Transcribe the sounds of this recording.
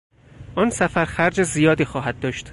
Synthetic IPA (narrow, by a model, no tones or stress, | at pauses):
ʔɒːnsæfæɾxæɾd͡ʒezijɒːd̪iːxɒːɦæd̪̥̚ːɒːʃt̪